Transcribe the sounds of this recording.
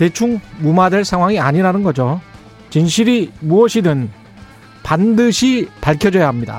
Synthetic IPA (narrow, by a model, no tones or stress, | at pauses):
te̞t͡ɕʰuŋmumadeɭsʰaŋɦwaŋiaɲiɾanɯnɡʌd͡ʑo | t͡ɕinɕʰiɾimuʌɕʰidɯn | pandɯɕʰipaɭkʰjʌd͡ʑʌjaɦamɲida̰